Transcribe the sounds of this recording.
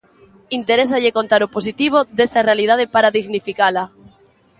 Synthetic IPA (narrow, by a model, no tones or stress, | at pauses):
int̪eɾes̬aʎekont̪aɾoposit̪iβ̞oðesarealið̞að̞epaɾaðiɣnifikala